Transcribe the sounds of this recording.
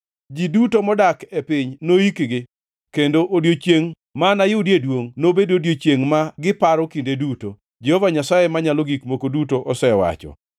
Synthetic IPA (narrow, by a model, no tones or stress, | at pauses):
d͡ʒidutomɔdakepɪɲnoikɡɪ | kendoʔodjot͡ʃjeŋ | manajʊdjedwoŋnobedodjot͡ʃjeŋmaɡɪpaɾɔkindeduto | d͡ʒɛhɔvaɲasajemaɲaloɡikmokodutoʔɔsɛwa̰t͡ʃɔ̰